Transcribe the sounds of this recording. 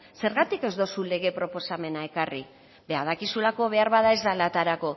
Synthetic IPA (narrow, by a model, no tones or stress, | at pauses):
se̞ɾɣat̪ike̞zd̪osule̞ɣ̞e̞pɾo̞po̞same̞nae̞kari | be̞að̞akisulako̞βe̞aɾβaðae̞zd̪alat̪aɾako̞